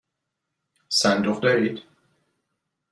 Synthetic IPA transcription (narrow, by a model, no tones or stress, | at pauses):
sænd̪oχd̪ɒɾid̪̥